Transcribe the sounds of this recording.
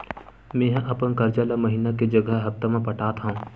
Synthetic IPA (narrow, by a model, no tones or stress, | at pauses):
mẽːɦʔɐpənkɐɾd͡ʒalamɐɦiːnaked͡ʒɐɡəɦɦɐft̪amẽpɐʈʰaːt̪ɦaũː